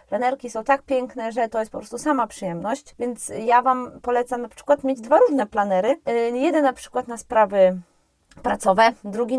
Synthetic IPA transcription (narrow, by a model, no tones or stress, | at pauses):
planɛɾkʲisɔ̃w̃t̪ak̚pʲjɛŋknɛʐɛt̪ɔjɛst̪pɔpɾɔst̪usamapʂɘjɛmnɔɕt͡ɕvʲjɛnt̪sjavampɔlɛt̪samnapʂɘ̥kwat̪mʲed͡ʑd̪vaɾuʐnɛplanɛɾɘjɛd̪ɛnnapʂɘ̥kwat̪naspɾavɘ | pɾat̪sɔvɛd̪ɾuɡʲi